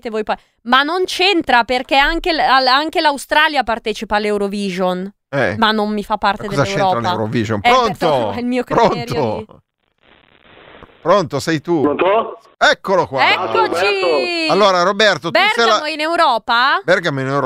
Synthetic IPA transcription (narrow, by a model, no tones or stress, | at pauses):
t̪evoːjpɔj | manːont͡ʃent̪ɾaperk̟ɛaŋk̟eaaŋk̟elawst̪ɾaːljapart̪ɛːt͡ʃipaːlːewɾoviːʒon | ɛmanːommifapːart̪edk̪eɔzaet͡ʃweɾɔːɾaleawɾoviʒonɾont̪oilmiːokɾonːɾo | pɾont̪osɛjt̪uont̪o | ɛkːolokwaɛkːot͡ʃialːoːɾaɾobɛrt̪ob̪ɛrsɡɛalamoinewɾɔːpabɛrɡamoinewɾ